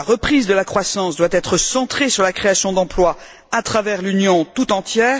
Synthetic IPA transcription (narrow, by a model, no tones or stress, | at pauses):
aʁəpχizd̪əlakχwasɑ̃sd̪wat̪ɛt̪χəsɑ̃t̪χesyʁlakχeasjɔ̃d̪ɑ̃plwa | at̪χavɛʁlynjɔ̃t̪ut̪ɑ̃t̪jɛːʁ